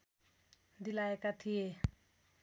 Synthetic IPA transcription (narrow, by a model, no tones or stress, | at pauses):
d̪ilaekat̪ʰije